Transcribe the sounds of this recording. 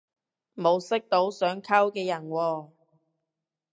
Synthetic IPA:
mo˨˧wsɪ˥k̚t̪o˨˥wsœː˨˥ŋkʰɐ˥wkɛː˧jɐ˨˩nwɔː˧

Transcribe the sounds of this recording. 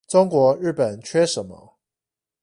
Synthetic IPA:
ʈ͡ʂʊ˦ŋkwɔ˧˥ɻɻ̩˥˩pə˨˩nt͡ɕʰɥɛ˥ʂə˨˦nmə̰˦

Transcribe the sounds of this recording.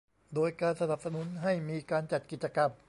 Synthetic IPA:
doː˧jkaː˧nsa˧na˨˩p̚sa˧nu˩˦˥nɦa˥˩jmiː˧kaː˧nt͡ɕa˨˩t̪̚ki˨˩t̪̚t͡ɕa˧ka˧m

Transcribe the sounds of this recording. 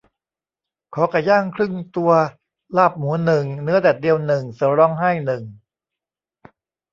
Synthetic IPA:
kʰɔː˩˦kaː˨˩jaː˥˩ŋkʰɾɯ˥˩ŋt̪u˧ɐ | laː˥˩p̚muː˩˦nɯ˨˩ŋnɯ˦˥ɐdɛː˨˩t̪̚di˧əwnɯ˨˩ŋsɯː˨˩˦ɾɔ˧ŋha˥˩jnɯ˨˩ŋ

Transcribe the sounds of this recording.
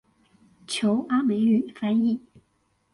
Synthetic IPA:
t͡ɕʰjo˧˥ʊʔa˥me˧˥ɪy˨˩fa˥ni˥˩

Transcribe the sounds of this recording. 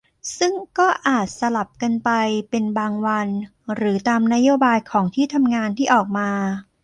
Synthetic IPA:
sɯ˥˩ŋkɔː˥˩ʔaː˨˩t̪̚sa˧la˨˩p̚ka˧npa˧jpe˧nbaː˧ŋwa˧n | ɾɯː˩˦t̪aː˧mna˦˥joː˧baː˧jkʰɔː˩˦ŋt̪ʰiː˥˩t̪ʰa˧mŋaː˧nt̪ʰiː˥˩ʔɔː˨˩k̚maː˧

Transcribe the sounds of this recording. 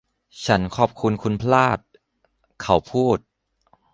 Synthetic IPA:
t͡ɕʰa˦˥nkʰɔː˨˩p̚kʰu˧nkʰu˧npʰlaː˥˩t̪̚ | kʰa˦wpʰuː˥˩t̪̚

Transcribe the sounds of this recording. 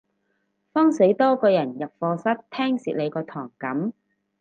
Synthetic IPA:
fɔː˥ŋse˨˥jt̪ɔː˥kɔː˧jɐ˨˩njɐ˨p̚fɔː˧sɐ˥t̚t̪ʰɛː˥ŋsiː˨le˨˧jkɔː˧t̪ʰɔː˨˩ŋkɐ˨˥m

